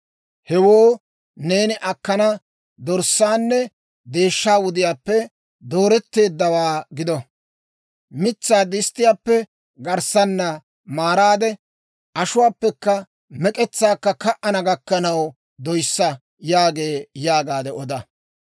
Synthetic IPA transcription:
hɛwoː | ne̞ːnɪʔɐkːɐnɐ | d̪ɔɾsːaːnːɛ | d̪e̞ːʃːaːwʊd̪ɪjaːpːɛ | d̪oːɾɛt̪ːe̞ːd̪ːɐwaːɡɪd̪ɔ | mɪt͡sːaːd̪ɪst̪ːɪjaːpːɛ | ɡɐɾsɐnːɐ | maːɾaːd̪ɛ | ʔɐʃʊwaːpːɛkːɐ | mɛkʼɛt͡sːaːkːɐkɐʔɐnɐɡɐkːɐnɐw | d̪ɔjsːɐ | jaːɡe̞ːjaːɡaːd̪ɛɔd̪ɐ

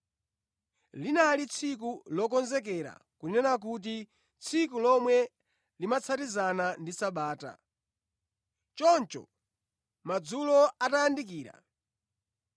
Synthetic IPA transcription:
linalit͡sʰik̬ulɔkɔnzɛk̬ɛɾa̰kunɛnak̬ut̬i | t͡sʰikulɔmwɛ | limat͡sʰatizanandisaɓaːta̰ | t͡ʃɔnt͡ʃɔ̰ | mad͡zulɔatajandik̬iːɾa̰

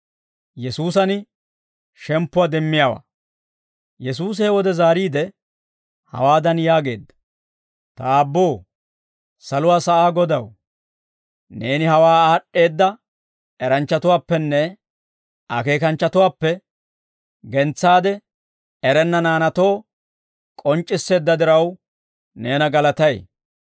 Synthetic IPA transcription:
jɛsuːs̬ɐn | ʃɛmpːʊwaːd̪ɛmːɪjaːwa̰ː | jɛs̬uːs̬ɛɛwɔd̪ɛzaːɾiːd̪ɛ | hɐ̰waːd̪ɐnjaːɡe̞ːd̪ːɐ̥ | t̪ɐːbːo̞ː | sɐlʊwaːsɐʔaːɡɔd̪ɐw | ne̞ːnɪhɐwaːaːɗːe̞ːd̪ːɐ | ɛɾɐnt͡ʃːɐt̪ʊwaːpːɛnːɛ | ʔɐke̞ːkɐnt͡ʃːɐt̪ʊwaːpːɛ | ɡɛnt͡sːaːd̪ɛ | ɛɾɛnːɐnaːnɐt̪o̞ː | kʼɔnt͡ʃʼːɪsːe̞ːd̪ːɐd̪ɪɾɐw | neːnɐɡɐlɐt̪ɐj

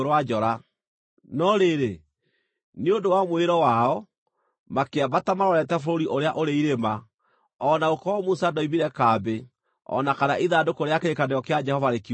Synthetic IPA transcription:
ɾwad͡ʒɔɾa | nɔɾeɾe | neodowamweɾɔwaɔ | makeabatamaɾɔɾɛtɛfoɾoɾiʔoɾeaʔoɾeiɾema | ɔnaokɔmusadɔimiɾɛkaːbe | ɔ̰nakanaʔiðadokoɾeakeɾekadejɔkead͡ʒɛhɔvaɾeki

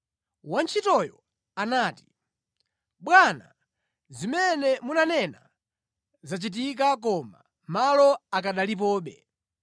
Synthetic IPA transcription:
want͡ʃʰitɔjɔ | anaːti̥ | ɓwana̰ | zimɛnɛmunanɛna | zat͡ʃit̬ik̬ak̬ɔma̰ | malɔakaɗalip̬ɔːɓɛ̰

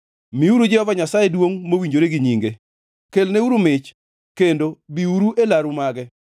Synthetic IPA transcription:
miuɾud͡ʒɪɔvaɲasajedwoŋmowiɲd͡ʒoɾeɡɪɲiŋɡe | kelneuɾumɪt͡ʃ | kendobiuɾuʔelaɾumaɡɛ

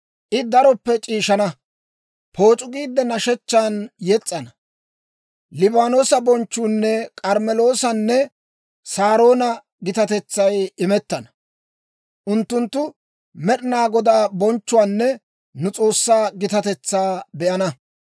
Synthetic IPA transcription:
ʔɪd̪ɐɾɔpːɛt͡ʃʼiːʃɐnɐ | pʰo̞ːt͡ʃʼʊɡiːd̪ːɛnɐʃɛt͡ʃːaːnjɛt͡sʼːɐnɐ | lɪbaːno̞ːsɐbɔnt͡ʃːuːnːɛkʼɐɾmɛlo̞ːsɐnːɛ | saːɾo̞ːnɐ | ɡɪt̪ɐt̪ɛt͡sːɐjɪmɛt̪ːɐnɐ | ʔʊnt̪ːʊnt̪ːʊ | mɛɗɪnaːɡɔd̪aːbɔnt͡ʃːʊwaːnːɛ | nʊt͡sʼo̞ːsːaːɡɪt̪ɐt̪ɛt͡sːaːbɛʔɐnɐ

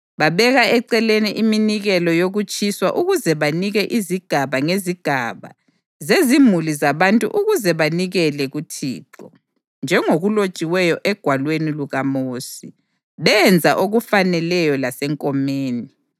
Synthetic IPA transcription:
βaβɛɣaɛǀɛleniʔiminiɣɛlɔjoɣut͡ʃʼiswaʔuɣuzɛβaniɣɛʔiziɡ̥ʱaβaŋeziɡ̥ʱaβa̰ | zezimulizaβantʼṵʔuɣuzɛβaniɣɛlɛɣutʰḭːǁɔ | nd͡ʒʱɛŋoɣulot͡ʃʼiwɛjɔʔɛɡ̥ʱwalweniluɣamoːsi | βɛnd͡zʱaʔoɣufanɛlɛjɔlasɛŋkʼɔmeːni

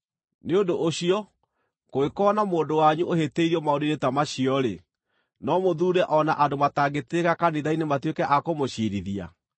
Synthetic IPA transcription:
neondoʔoɕiɔ | koekɔːnamoːndowaɲuʔoheteiɾiɔmaodinetamaɕiɔɾe | nɔmoðuːɾɛʔɔnaʔandomataɡeteɣakaneðainematwekɛʔakomoɕiɾiðia̰

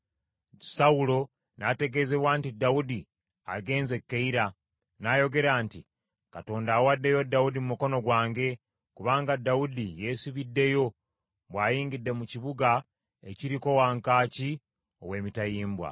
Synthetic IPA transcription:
saulo̞ | nate̞ɡe̞ze̞βwaːntidaudi | a̰ɡe̞ːnze̞kːeiɾa | naːjo̞ɡe̞ɾaːnti | kato̞ːndaːwadːe̞jo̞dːaudimumuko̞no̞ɡwaːŋɡe̞ | kuβaːŋɡadːaudije̞ːsiβidːe̞jo̞ | βwaːjiːŋɡidːe̞muciβuɡa | eciɾiko̞waːŋkaːci | o̞̰we̞ːmitajiːmbwa̰

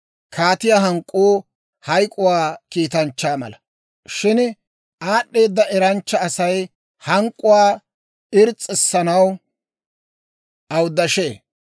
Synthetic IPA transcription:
kʰaːt̪ɪjaːɦɐŋkʼːoː | hɐjkʼʊwaːkiːt̪ɐnt͡ʃːaːmɐ̰lɐ | ʃɪn | aːɗːe̞ːd̪ːɐʔɛɾɐnt͡ʃːɐːsɐj | hɐŋkʼːʊwaː | ɪɾt͡sʼːɪsːɐnɐw | ʔɐwd̪ːɐʃe̞ː

